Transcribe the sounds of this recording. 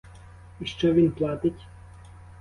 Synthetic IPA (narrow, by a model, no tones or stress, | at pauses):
iʃt͡ʃɔʋʲinplˠat̪ɪtʲ